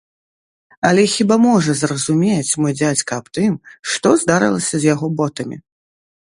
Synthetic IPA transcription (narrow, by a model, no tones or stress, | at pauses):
ɐlʲɛxʲibamɔʐɐzrɐzumʲet͡sʲmɔjd͡zʲat͡sʲkɐːpt̪ɨmʂt̪ɔzd̪aɾɨ̰lˠɐsʲɐzʲjaɣɔbɔt̪ɐmʲḭ